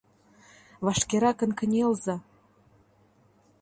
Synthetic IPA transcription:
vɑʃkeɾɑkə̆nkə̆nʲelzɑ

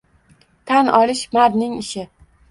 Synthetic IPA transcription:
t̪ʰanʔɒlɪʃmaɾnɪŋɪʃɪ

